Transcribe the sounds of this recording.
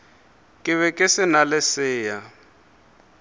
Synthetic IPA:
kʼɪβɛkʼɪsɪnalɪsɪːja

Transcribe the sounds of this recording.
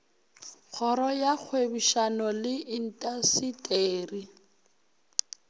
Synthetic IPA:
k͡xʰɔɾɔjak͡xʰwebuʃanɔlɪʔin̩tʼasitʼeːri

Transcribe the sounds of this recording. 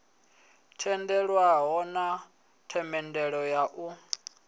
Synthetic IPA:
tʰɛndɛɺwaɦɔna | tʰɛmɛndɛɺɔjaʔu

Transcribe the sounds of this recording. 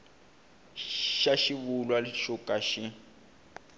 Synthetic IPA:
ʃaʃiβulwaʃukʼaʃɪ

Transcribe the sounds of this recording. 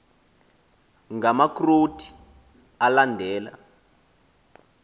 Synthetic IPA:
ŋɡamakrotʰi̥ | alandʱɛːla̰

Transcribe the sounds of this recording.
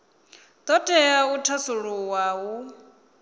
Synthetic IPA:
d̪̥ɔtʼɛjautʰasuɺuwawu

